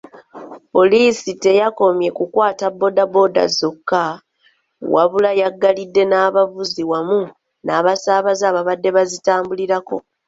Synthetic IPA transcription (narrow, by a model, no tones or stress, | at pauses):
po̞liːsite̞jako̞mje̞kukwaːtabːo̞dabo̞da̰zokːa | waβulajaɡːalidːe̞naːβavuziwamu | naːβasaːβazaːβaβadːe̞βazitaːmbuliɾako̞̰